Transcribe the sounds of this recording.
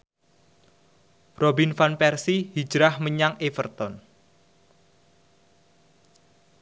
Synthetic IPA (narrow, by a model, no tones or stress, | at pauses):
robinfanpɛrsihi̥d͡ʒɾahməɲaŋefərt̪ɔn